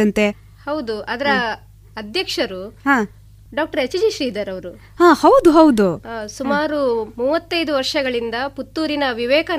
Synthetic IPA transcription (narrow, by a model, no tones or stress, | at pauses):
ɐnt̪e | hɐwd̪uʔɐd̪ɐɾɐ | ɐd̪ʱjɐkʂɐɾuɦãː | ɖaːk̚ʈɐɾɐt͡ʃid͡ʒiʃɾiːd̪ɐɾɐʋɐɾu | haːhɐwd̪uɦɐwd̪usumaːɾumuːʋɐt̪ːɐjd̪uʋɐɾʂɐɡɐɭind̪ɐput̪ːuːɾinɐʋiʋɛːkɐ